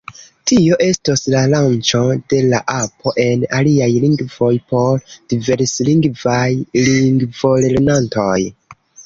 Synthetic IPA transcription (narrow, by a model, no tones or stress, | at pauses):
tio̞ʔe̞stoslalant͡ʃo̞de̞la̰ʔapʰo̞ʔe̞naliajliŋɡvo̞jpo̞ɾd̥ive̞ɾsliŋɡvajliŋɡvo̞lelenantoj